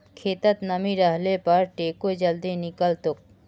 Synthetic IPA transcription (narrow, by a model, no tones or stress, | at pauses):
kʰet̪at̪namiɾaɦlepaɾʈekod͡ʑald̪enikalt̪ok̚